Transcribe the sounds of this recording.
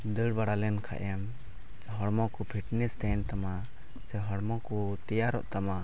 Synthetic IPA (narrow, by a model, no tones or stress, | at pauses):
d̪əɽbaɽalɛnkʰa̰ʔɛm | ɦɔɽmɔkɔpʰiʈnɛst̪ɛnt̪ama | t͡ʃɛɦɔɽmɔkut̪ijaɾɔ̰ʔt̪ama